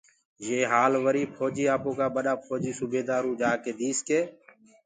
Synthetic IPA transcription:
jeːɦaːlʋəɾiːpʰoːd͡ʒiːaːpõːkaːɓəɗaːpʰoːd͡ʒiːsubeːd̪aːɾũːd͡ʒaːkeːd̪iːskeː

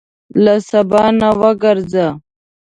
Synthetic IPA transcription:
lasabɑnawəɡaɾza

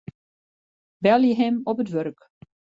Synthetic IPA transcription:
bɛlˠjəɦɛmɔpətʋørk

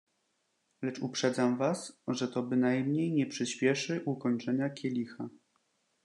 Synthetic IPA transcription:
lɛt͡ʂupʂɛd̪zamvasʐɛt̪ɔbɘnajmɲejɲɛpʂɘɕpʲjɛʂɘʔukɔɲt͡ʂɛɲakʲʰɛlʲixa

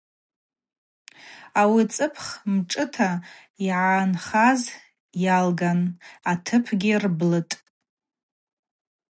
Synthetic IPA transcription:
awit͡sʼɨpʰχmʈ͡ʂʼɨtʰa | iʕanχaz | jalɡanatʰɨpʰɡʲɪrblɨtʼ

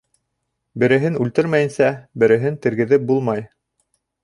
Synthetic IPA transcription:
bɘ̆ɾɘ̆ɦɘnʉlt̪ɘɾmæjɘ̆nsæbɘ̆ɾɘ̆ɦɘnt̪ɘ̆ɾɡɘ̆ðɘp̚bulˠmɑj

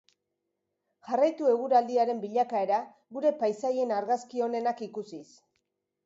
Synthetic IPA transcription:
ʝarajt̪ue̞ɣ̞uɾald̪iaɾe̞mbiʎakae̞ɾa | ɣuɾe̞pajsaje̞naɾɣaskio̞ne̞nakikusis

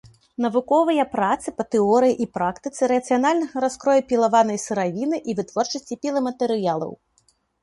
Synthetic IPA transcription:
nɐvukɔvɐjɐpɾat̪sɨpɐt̪ɛɔɾɨjiʔipɾakt̪ɨt̪sɨɾɐt̪sɨjanalʲnɐɣɐɾaskɾɔjupʲilˠavanɐjsɨɾavʲinɨʔivɨt̪vɔrt͡ʂɐsʲt͡sʲipʲilˠɐmɐt̪ɛɾɨjalˠɐ̰w

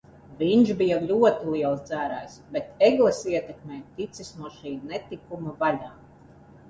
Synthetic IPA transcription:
vʲiɲʒbijalʲuɔt̪iliɛlˠsd̪zæːɾæːjsbet̪eɡlˠɛsiɛt̪ɛkmʲɛːjt̪it̪sisnuɔʃiːnɛt̪ikumavalʲaː

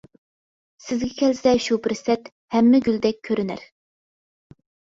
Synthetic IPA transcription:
sɪzɡʲɛkʲʰɛlsɛʃubɪɾsɛt̪ | hɛmːɪɡʲyld̪ɛk̚ʲʰːøɾynæ̰ɾ

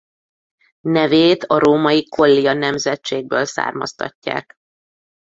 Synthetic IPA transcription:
nɛveːt̪ɒɾoːmɒjikʰo̞lːijɒnɛmzɛtt͡ʃeːɡ̚bøːlsa̰ːrmɒ̰st̪ɒ̰cːa̰ːk

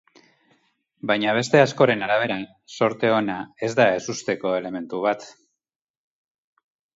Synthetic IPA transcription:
bajɲaβ̞e̞st̪e̞asko̞ɾe̞naɾaβ̞e̞ɾa | so̞ɾt̪e̞o̞nae̞zd̪ae̞sust̪e̞ko̞e̞le̞me̞nt̪uβ̞at̪

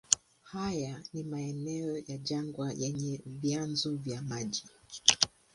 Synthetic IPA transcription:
hajanimaɛnɛɔjaʄaŋɡwajʔɛɲɛvjanzɔvjamaʄi

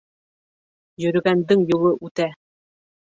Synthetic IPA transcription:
jɵ̆ɾɵ̆ɡænd̪ɘŋjulˠɤʔʉt̪æ

